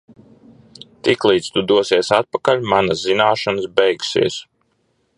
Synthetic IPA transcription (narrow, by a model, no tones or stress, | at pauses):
t̪iklˠiːt̪st̪ud̪uɔsiɛsat̪̚pakalʲmanaszinaːʃansbɛjɡsḭɛs